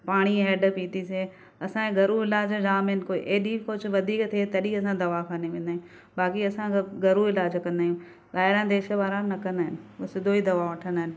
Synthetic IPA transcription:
paːɽ̃iɦɛːɖpiːt̪is̬e | ɐsãẽɡɐɾuɪlaːd͡ʑd͡ʑaːmɪn̆koiʔeːɗiːkʊd͡ʑʊʋɐd̪ʱiːkt̪ʰet̪ɐɗiɐsãd̪ɐʋakʰaːneʋẽːnd̪aːjũ | baːkiɐsãɡɐɾuɪlaːd͡ʑkɐ̃nd̪aːjũ | ɓaːɦɪɾãːd̪eːʃəʋaːɾãnɐkɐ̃nd̪aːɦɪnɪ̆sɪd̪ʱoid̪ɐʋaʋɐʈʰə̃nd̪aːɪnɪ

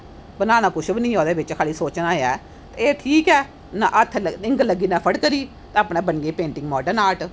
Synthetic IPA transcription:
bənaːnaːkʊʃʰbɪnĩːɦoːd̪eːbɪt͡ʃkʰaːliːsoːt͡ʃnãːeːɛː | t̪eːeːʈʰiːkɛː | naːʔət̪ʰɪ̃ŋɡləɡiːnãːpʰəɽkəɾiː | t̪ãəːpnẽːbənɡeːpẽːɳʈɪ̃ŋɡmɔːɖənaːʈ

